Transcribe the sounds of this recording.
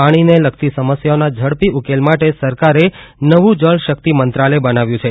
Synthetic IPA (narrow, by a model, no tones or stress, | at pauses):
aɽ̃ineləkt̪isəməsjaonad͡ʒʱəɽpiukelmaʈesəɾkaɾenəʋũd͡ʒəlʃək̚t̪imənt̪ɾalebənaʋjũt͡ʃʰe